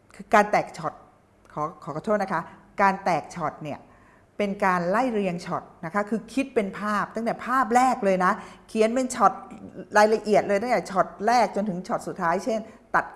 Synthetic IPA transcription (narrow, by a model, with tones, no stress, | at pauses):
kʰɯː˧kaː˧nt̪ɛː˨˩k̚t͡ɕʰɔ˨˩t̪̚ | kʰɔː˩˦kʰɔː˩˦kɔ˧˦t̪ʰu˥˩na˦˥kʰa˦˥kaː˧nt̪ɛː˨˩k̚t͡ɕʰɔ˨˩t̪̚ni˥˩ɐ | pe˧nkaː˧nla˥˩jɾi˧əŋt͡ɕʰɔ˨˩t̪̚na˦˥kʰa˦˥kʰɯː˧kʰi˦˥t̪̚pe˧npʰaː˥˩p̚t̪a˥˩ŋt̪ɛː˨˩pʰaː˥˩p̬̚ɾɛː˥˩k̚lɤː˧jna˦˥kʰi˨˦ənpe˧nt͡ɕʰɔ˨˩t̪̚ɾaː˧jla˧ʔi˨˩ət̪̚lɤː˧jt̪a˥˩t̪ɛː˨˩t͡ɕʰɔ˨˩t̪̚ɾɛː˥˩k̚t͡ɕo˧nt̪ʰɯ˩˦ŋt͡ɕʰɔ˨˩t̪̚su˨˩t̪ʰːaː˦˥jt͡ɕʰe˥˩nt̪a˨˩t̪̚